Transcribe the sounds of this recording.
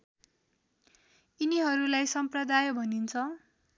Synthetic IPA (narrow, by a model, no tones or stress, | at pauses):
iniɦʌɾulajsʌmprʌd̪ajobʱʌnint͡sʰʌ